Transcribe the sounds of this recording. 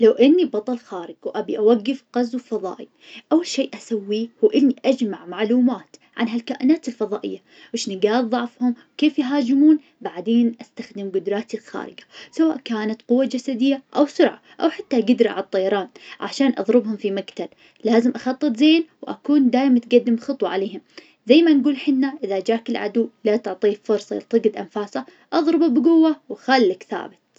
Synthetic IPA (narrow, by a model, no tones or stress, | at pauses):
lawʔɪnːibɑt̪ˤɑlxaːɾɪɡwʔabiʔawaɡːɪfqɑzwfɑðˤɑ̰ːʔi | ʔawːalʃeːʔʔasawːihuːʔɪnːiʔad͡ʒmaʕmaʕluːmaːt̪ʕa̰nɦalkaːʔɪnaːt̪ɪlfɑðˤɑːʔɪ̰jːa | wɪʃnɪɡaːdðˤɑʕfhʊmwkeːfjɦaːd͡ʒɪmuːn | baʕd̪eːnʔast̪axd̪ɪmɡʊd̪ɾˤɑːt̪ilxa̰ːɾɪ̰ɡḁsawa̰ːʔkaːnat̪qʊwːad͡ʒasad̪ɪjːaʔawsʊɾʕa̰ | ʔawħat̪ːaɡʊd̪ɾaʕat̪ˤːɑjɑɾˤɑːnʕa̰ʃaːnʔɑ̰ðˤɾɨbhʊmfimakt̪ab | laːzɪmʔɑxɑt̪ˤːɨt̪ˤzeːnwʔa̰kuːnd̪aːʔmt̪ɡad̪ːɪmxɨt̪ˤwɑʕaleːɦʊm | zajmanɡuːlħɪnːaʔɪðad͡ʒaːkɪlʕa̰d̪uːlat̪ʊʕt̪ˤiːfʊɾsˤɑt̪ˤɨɡɪd̪ʔa̰nfaːsa | ʔɑðˤɾɨbabɡʊwːawaxalːakθa̰ːbɪt̪̚